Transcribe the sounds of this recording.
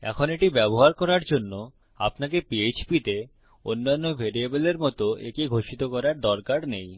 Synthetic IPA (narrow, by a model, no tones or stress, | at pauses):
ɛ̰kʰoneʈibɛboɦaɾkɔɾaɾd͡ʑonːo | a̰pnakepiet͡ɕpit̪e | onːanːobʱeɾiebeleɾmɔt̪oḛkiɡʱoʃit̪okɔɾaɾd̪ɔɾkaɾnej